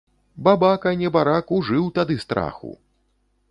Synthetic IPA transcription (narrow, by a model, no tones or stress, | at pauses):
babakɐnʲɛbaɾakuʐɨwt̪ad̪ɨst̪ɾa̰xṵ